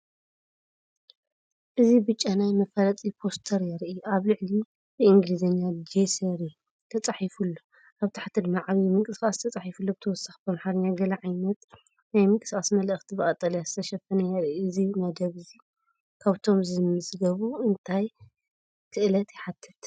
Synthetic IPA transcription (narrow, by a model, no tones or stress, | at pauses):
ʔɨzibɨt͡ʃʼːanajmɐfɐlɐt͡sʼipʰo̞st̪ʰɐɾjɛɾʔɨaβlɨʕli | bɨiŋɡlizɐɲːad͡ʒesɐɾi | t̪ʰɐt͡sʼaħifulːo | ʔaβt̪ʰḁħat̪ʰɨd̪maʕaβimɨŋkʼɨskʼast̪ʰɐt͡sʼaħifulːobɨt̪ʰɐwɔsːḁxbɐmħaɾɐɲːaɡɐlɐʕajnɐt̪ | najmɨkʼɨskʼasmɐlʔɨxt̪ʰibɐkʼɐt̪ʼːɐlijazɨt̪ʰɐʃɐfɐnɐjɐɾʔiɨzimɐd̪ɐβzi | kʰaβt̪ʰo̞mzɨmɨsɨɡɐβuɨnt̪ʰaj | kʰɨʔlɐt̪jɪħat̪ʰːɨt̪